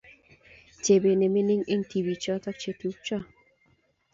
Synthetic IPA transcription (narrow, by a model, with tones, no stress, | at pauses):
t͡ʃe˨be˨ne˨me˦nɪ˦ŋɪ˦ŋt̪i˨bi˨t͡ʃɔ˦t̪ɔ˦k̚t͡ʃe˨tu˨˦k̚t͡ʃɔ˦